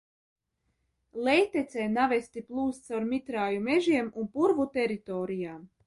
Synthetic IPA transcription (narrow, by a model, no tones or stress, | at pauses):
lˠɛjt̪et̪sɛːnavɛst̪iplˠuːst̪sawɾmit̪ɾaːjumeʒiɛmunpuɾvut̪ɛɾit̪ɔːɾijaːm